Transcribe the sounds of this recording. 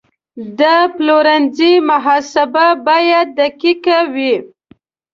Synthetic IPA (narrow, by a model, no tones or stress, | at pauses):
d̪əploɾanzimaɦɑsɪbabɑjad̪̚ːakikawi